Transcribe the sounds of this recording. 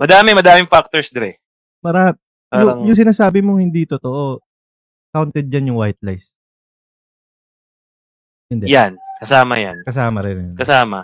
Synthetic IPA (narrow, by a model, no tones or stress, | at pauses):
mɐd̪aːmɪmɐd̪aːmɪŋfak̚t̪oɹsd̪ɐɾɛ | paːɾɐ | paːʊɾɐŋjʊŋs̬ɪnaːsaːbɪmoŋhɪnd̪iːt̪ot̪o̞ʔo | kawnt̪ɛd̪̚d͡ʒanjʊŋwajt̪̚lajs | ɪnd̪ɛjankɐsaːmɐ̰ja̰nkɐs̬aːmɐɾɛnɛnkɐsaːmɐ̰